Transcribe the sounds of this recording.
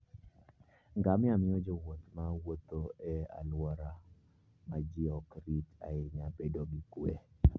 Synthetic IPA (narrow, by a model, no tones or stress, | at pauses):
ŋɡamɪamɪɔd͡ʒowot̪mawot̪oɛa̰lwɔɾa | mad͡ʒɪɔkɾita̰ɪɲabedoɡikwe